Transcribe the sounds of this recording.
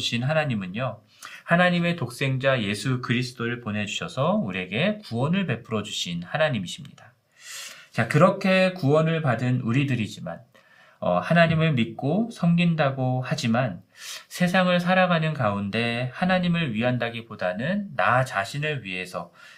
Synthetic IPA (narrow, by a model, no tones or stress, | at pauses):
ɕʰinɦanaɲimɯɲjo | hanaɲime̞tok̚s͈e̞ŋd͡ʑaje̞sʰukɯɾisʰɯ̥t͈oɾɯɭponɦe̞d͡ʑuɕʰʌsʰʌuɾe̞ɡe̞kuwʌnɯɭpe̞p͈ʰɯɾʌd͡ʑuɕʰinhanaɲimiɕʰimɲid̥a | t͡ɕakɯɾʌkʰe̞kuwʌnɯɭpadɯnuɾidɯɾid͡ʑima̰n | ʌ̰hanaɲimɯɭmit̚k͈osʰʌmɡindaɡohad͡ʑimansʰe̞sʰaŋɯɭs̬ʰaɾaɡanɯnkaunde̞hanaɲimɯɭɥiɦandaɡipodanɯnːat͡ɕaɕʰinɯɭɥiɦe̞sʰʌ